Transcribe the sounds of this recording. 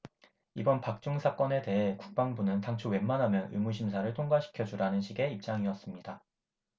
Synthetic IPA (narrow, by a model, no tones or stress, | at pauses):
ibʌnpak̚t͡ɕ͈uŋsʰak͈ʌne̞te̞ɦe̞kuk̚p͈aŋbunɯntaŋt͡ɕʰuwe̞nmanɦamjʌnɯ̰muɕʰimsʰaɾɯɭtʰoŋɡwaɕʰi̥kʰjʌd͡ʑuɾanɯnɕʰiɡe̞ip̚t͡ɕ͈aŋiʌs͈ɯmɲida